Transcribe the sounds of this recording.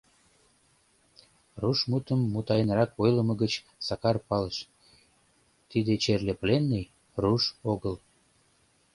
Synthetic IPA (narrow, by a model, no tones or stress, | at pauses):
ruʃmut̪əmːut̪ɑjənrɑkojləməɣət͡ɕ | sɑkɑrpɑləʃ | t̪id̪et͡ɕerleplenːij | ruʃoɣəl